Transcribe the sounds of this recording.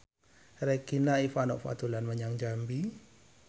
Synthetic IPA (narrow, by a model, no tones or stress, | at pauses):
rekinaifanɔʔfa̰t̪ulanməɲaŋd͡ʒambi